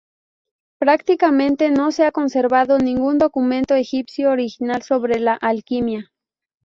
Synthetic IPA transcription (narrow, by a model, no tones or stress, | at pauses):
pɾakt̪ikamẽnt̪enoseakonseɾβaðonĩŋɡund̪okument̪oexipsjoːɾixinalsoβɾelaʔalkimja